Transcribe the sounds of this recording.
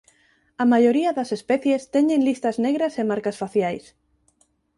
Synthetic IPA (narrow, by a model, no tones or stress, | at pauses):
amaʎoɾiɐðɐsespɛθjest̪eɲẽnlist̪azneɣɾɐsemaɾkasfaθjajs